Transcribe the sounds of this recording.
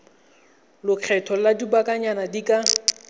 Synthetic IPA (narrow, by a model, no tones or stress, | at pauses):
lʊq͡χʰɛtʰɔladibakʼaɲanadikʼa